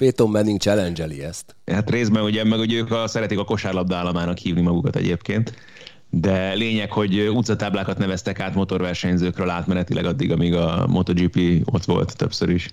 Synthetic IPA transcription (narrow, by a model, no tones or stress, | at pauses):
peːt̪omːɛniŋɡt͡ʃɛlɛnd͡ʒɛlḭɛst̪ | hat̪reːzd̪bɛnuɟɛmːɛɡuɟɛøːkɒsɛɾɛt̪ikɒko̞ʃaːrlɒb̚d̪aːlːɒmaːnɒkhiːvnimɒɡukɒt̪ɛ̰ɟeːpkeːnt̪ | d̪ɛleːɲɛkho̞ɟut̪sɒt̪aːblaːkɒt̪nɛvɛst̪ɛkaːt̪mo̞t̪o̞rvɛrʃɛɲzøːkrøːlaːt̪mɛnɛt̪ilɛ̰ɡɒd̪ːiɡɒmiɡɒ̰mʔo̞t̪od͡ʒipio̞̰t̪ʋo̞̰lt̪ːø̞̰psøɾiʃ